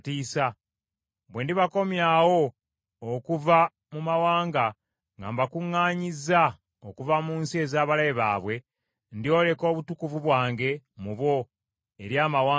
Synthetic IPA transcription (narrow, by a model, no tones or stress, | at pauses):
tiːsa | bwe̞ndiβako̞mjawo̞ː | kuva | mumawaːŋɡa | ŋɡa̰mbakuŋːaːɲiza | okuvamuːnsie̞ːzaːβalajeβa̰ːβwe̞ | ndio̞ːle̞ko̞ːβutukuvuβwaːŋɡe̞muβo̞ | e̞ɾjaːmawaː